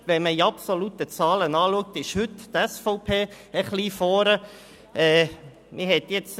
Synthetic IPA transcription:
ʋɛnməiɑpsolutət͡sɑːlənɑːluək̚tɪʃhʏttɛsfɔʊpʰeː | əχliːfɔːɾə | ɛː | mʔɪɦɛt̪jɛt͡s

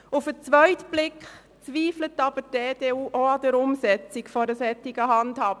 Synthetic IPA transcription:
ʊfət͡sʋœʏtb̥lɪkχ | t͡sʋiːflətːɑb̥ədeːd̥eːuːʔoɑdəɾʊmsɛt͡sɪkfɔɾəsɛtːɪɡəɦɑndhɑːb̥ə

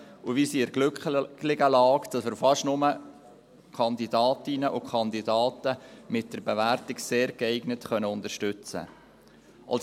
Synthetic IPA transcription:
uvisiɪɾɡlʏklɪɡəlɑːkd̥ɑsməɾfɑʃnʊmə | kʰɑnd̪idɑːtɪnəʔukʰχɑnd̪idɑːtəmɪt̚d̥əɾbeværtɪkseːɾkɛɪɡnətχœnəʊndəʃtʏt͡sə̰ | ʔɑ̰ls

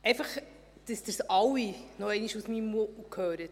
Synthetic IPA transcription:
ɛɪfɑχ | d̥əsd̥̪əɾsɑwinɔɛɪniʃusmimmoʔukʰøːɾət

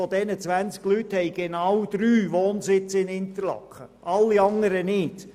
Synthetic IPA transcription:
ɔd̪ɛnət͡sʋænt͡sklyt̪hɛɪɡ̥ɛnɑwd̪̥ɾyːʋoːnsɪt͡sɪnɪnt̪əɾlɑ̰kχə̰ʔɑlːiɑŋəɾənɪd̥

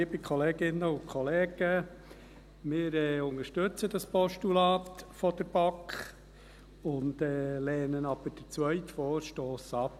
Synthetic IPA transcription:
ibikʰχɔleːɡɪnːəʊkʰχɔleːɡ̥ə | mɪːɾɛʊŋəʃtɵt͡səd̥ɑspɔʃtulɑːt̪fɔd̥əɾb̥ɑkχ | ʊndɛːlɛːnənɑb̥əd̥ət͡sʋœʏtfɔːɾʃtoːsɑp

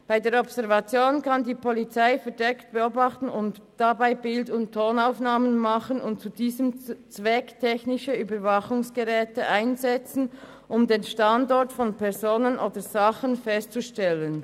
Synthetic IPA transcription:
b̥aɪdeːɾɔpsɛʁvɑt͡sjoːnkɑndiːpʰɔlit͡saɪfɛɐdɛkt̚b̥ɛoːbɑχtn̩ʊntd̥abaɪbɪldʊnttʰːoːnaʊfnaːmənmɑχənʊntt͡sudiːzəmt͡svɛktʰɛçnɪʃəyːbəvɑχʊŋsɡ̥əʁɛːtəʔaɪnzɛt͡sn̩ | ʔʊmdeːnʃtɑndɔʁtfɔnpʰɛʁzoːnənʔoːdəzɑχənfɛstt͡suʃtɛlən

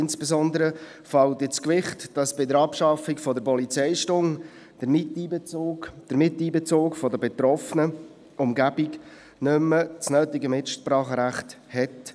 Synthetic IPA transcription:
ɪnsb̥ezɔnd̪əɾə | fɑltɪt͡skʋɪχtd̥ɑsb̥ɪdəɾɑpʃɑfikfɔdəɾpɔlit͡sɛɪʃtʊŋ | d̥əɾmɪtiːbet͡soːd̪̥əɾmɪtiːbet͡soːkfɔdəbɛt̪ɾɔfənə | ʔʊmɡæbik | nʏmːət͡snœːtiɡəmɪtʃpɾɑːχəɾæχthɛt

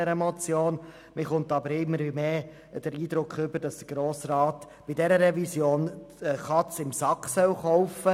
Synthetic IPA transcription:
ɛɾəmɔt͡sjoːn | mɪχʊntɑbəɾɪmːəɾʋimeː | d̥əɾiːd̪ɾʊkχʏbəɾd̥ɑsd̥əɾɡ̥ɾoːsɾɑːt | b̥ɪd̥ɛɾəɾɛvisjoːnχɑt͡sɪmsɑkχsœwχɔʊfə

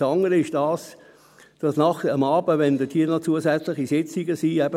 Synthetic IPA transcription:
ɑŋəɾəɪʃd̥ɑːs | d̥ɑsnɑχəmɑːbəʋɛnd̪ətʰiːənot͡suəsɛt͡slɪχisɪt͡siɡəsiːɛbə

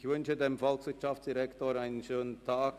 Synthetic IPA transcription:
çʋʏnt͡ʃədemfɔlksʋɪɐtʃaftt͡sd̥iɾɛktoɾaɪnənʃøːnəntʰaːk

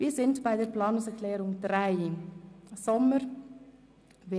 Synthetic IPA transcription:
viːsɪntb̥aɪdəːɾplaːnʊŋsɛkʰlɛːɾʊŋd̥ɾaɪɪ | sɔməɾ | ve

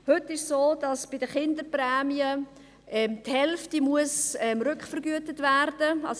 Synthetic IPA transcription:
hʏtɪʃsoːdɑsb̥ɪdəχɪndəprɛːmiə | ʔɛmthɛlftimuəsɛmɾʏkχfəɾɡyətətværd̥əɑs

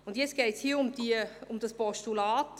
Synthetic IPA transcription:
ʊndjɛt͡sɡ̥eːtshiːʊmd̥iʊmd̥ɑspɔʃtulaːt

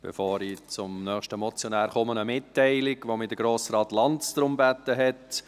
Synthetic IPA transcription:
b̥ɛ̰foːɾit͡sʊmnœːχʃtəmɔt͡sjɔnæːɾχɔmənəmɪtːɛɪlɪɡ̥ʋomɪd̥əɡ̥ɾoːsɾɑːt̪lɑntsd̪ɾʊmbæt̪ːəɦɛt

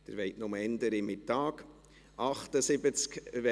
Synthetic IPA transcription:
d̥̪ɪ̰ɾʋɛɪjtnʊməɛndəɾɪmɪtːɑːk | ʔɑχtəsɪbət͡skʋɛ

